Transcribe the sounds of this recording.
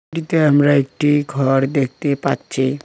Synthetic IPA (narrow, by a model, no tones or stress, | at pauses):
ʈit̪eɦamɾaek̚ʈiɡʱɔɾd̪ek̚ʰt̪epatːt͡ʃʰe